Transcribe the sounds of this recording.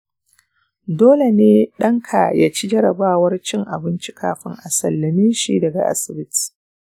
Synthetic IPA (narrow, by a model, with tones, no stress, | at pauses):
doː˦le˨neː˦ɗɐ˦ŋkʰa̰˨jaː˦t͡ʃi˦d͡ʒɐ˦ɾɐ˨baː˦wɐ˦rt͡ʃɪ˦ŋʔa˨bɪ˦nt͡ʃi˦kʰaː˨ɸɪ˦ŋʔa˨sɐ˨lːɐ˨mi˦ʃḭ˨dɐ˨ɡa̰˨ʔa̰˦sɪ˨bɪ˦ti̥˨